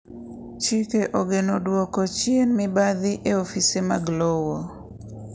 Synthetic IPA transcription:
t͡ʃikeʔoɡenodwɔkɔt͡ʃjenmɪbaðɪʔeofisemaɡlowɔ

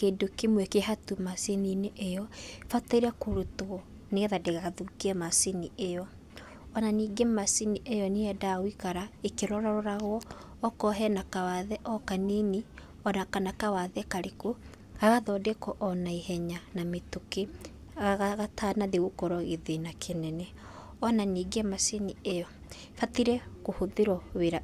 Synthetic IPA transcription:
kedokemwɛkeɦatumasenineʔejɔfataiɾɛkoɾotoɔ | neɣɛðadeɣaɣaðukeɛmasiniejɔ | ɔnaniːɡemasiniʔejɔneɛdaɣwikaɾaekeɾɔɾɔɾɔɾaɣwɔː | kɔɦɛnakawaðɛʔɔkaneni | ɔnakanakawaðɛkaɾeko | ɣaɣaðɔdekɔʔɔnaihɛɲanametoke | ɣaɣaɣatʰaːnaðeɣokɔɾɔɣeðenakʰenɛnɛ | ɔnaniːɡemasiniejɔ | fatiɾɛkohoðeɾɔweɾa

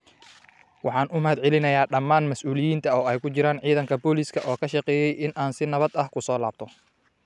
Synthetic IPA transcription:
wɑħɑːnʊmɐɦɐd̪ʕɪlɪnɐjaːɖɐmːaːnmɐsʔuːlɪjiːnt̪ʰɐɔːɛjkʰʊt͡ʃɪɾaːnʕiːðɐŋkʰɐbɔːliskʰɐʔɔːkʰɐʃɑqɛːjɛjʔɪnʔaːnsɪnɐβɐd̪ɐhkʰʊsɔːlaːb̚t̪ʰɔ

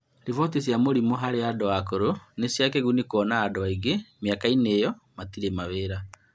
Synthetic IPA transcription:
ɾevɔtis̬jamoɾimoɦaɾeadɔakoɾonesjakɛɣunikoɔnaːdɔaiɡemjakaineːjɔmatiɾemaβeɾa

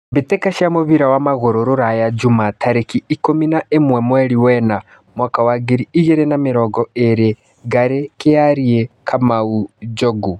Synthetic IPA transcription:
βitɛkaʃamuβiɾawamaɣoɾoɾuɾajad͡ʒumatʰaɾekiikominaʔemwɛmwɛɾiwɛna | mwakawaɡiɾiːʒɛɾɛnamiɾɔɡɔeɾe | ɡaɾekejaɾiekʰamaud͡ʒoɡu

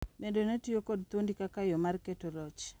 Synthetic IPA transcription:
mendonetiokod̚t̪wondikakajomarketolɔt͡ʃ

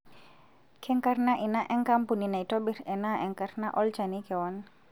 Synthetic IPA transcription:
kʰɛŋkarnaʔinaʔɛŋkampuninaitɔbirɛnaʔɛŋkarnaʔɔlt͡ʃanikɛwɔn

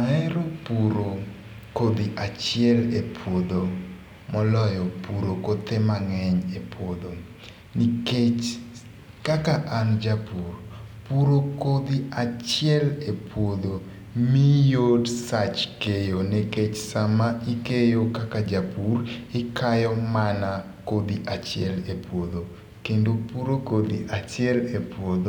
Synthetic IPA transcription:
aɛɾopuɾo | kod̪iʔat͡ʃɪjɛlepʰwod̪o | mɔlɔjɔpuɾokot̪emaŋɛɲepwod̪o | niket͡ʃ | kakaʔand͡ʒapurpuɾokod̪iat͡ʃɪɛlepwod̪o | mijodsat͡ʃkejoneket͡ʃsamaikejokakad͡ʒapurɪkʰajɔmana | kod̪iʔat͡ʃɪɛlepwod̪o | kendopuɾokod̪iʔat͡ʃɪɛlepwod̪o

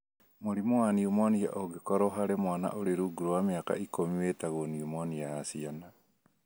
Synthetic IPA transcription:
moɾimowaniumɔnia̰ʔoɡekɔɾɔɦaɾemwana̰ʔoɾeɾuːɡuɾowameaka̰ikomiweːtaɣoniumɔniajasiana

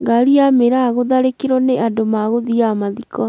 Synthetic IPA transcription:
ɡaɾiameɾaɣoðaɾekeɾɔneʔandomaɣoðiamaðikɔ

